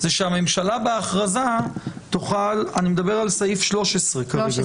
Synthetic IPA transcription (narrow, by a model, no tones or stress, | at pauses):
zeʃeame̞mʃalabeaχʁazat̪oχalanimed̪abeʁalsaifʃlo̞ʃesʁekaɡ